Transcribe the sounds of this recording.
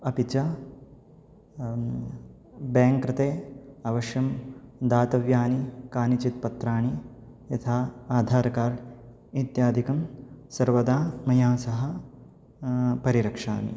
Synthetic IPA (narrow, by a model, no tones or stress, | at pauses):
ɐpit͡ʃɐ | baːŋkɾɪt̪eːɐʋɐʃjɐmd̪aːt̪ɐʋjaːnikaːnit͡ʃit̪̚pɐt̪ɾaːɳi | jɐt̪ʰaːaːd̪ʱaːɾɐkaːɾɖ | it̪jaːd̪ʱikɐmsɐɾʋɐd̪aːmɐjaːsɐɦɐ̆ | pɐɾiɾɐkʂa̰ːnḭ